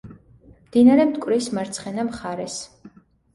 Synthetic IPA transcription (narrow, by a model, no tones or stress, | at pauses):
md̪̥inaɾɛmt̪ʼkʼvɾismaɾt̪sʰχɛnamχaɾɛs